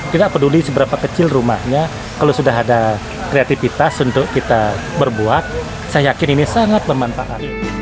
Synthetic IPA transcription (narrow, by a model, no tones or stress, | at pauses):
t̪idaʔpədulisəbəɾapakət͡ʃɪlruma̰hɲa | kalosudaɦada | kɾeat̪ifit̪asunt̪ʊʔkit̪a | bərbuat̪̚ | sajajakɪninisaŋat̪̚bərmanfaʔat̪